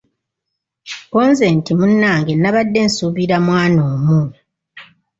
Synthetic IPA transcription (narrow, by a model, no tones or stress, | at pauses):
koːnze̞ːntimunːaːŋɡe̞naβadːe̞nsuβiɾamwaːnoːmu